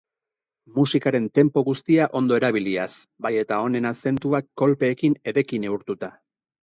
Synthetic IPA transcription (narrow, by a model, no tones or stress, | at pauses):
musikaɾe̞nt̪e̞mpo̞ɣust̪iaʔo̞nd̪o̞e̞ɾaβ̞iliasbaje̞t̪ao̞ne̞nase̞nt̪uakːo̞lpe̞ːkine̞ðe̞kine̞uɾt̪ut̪a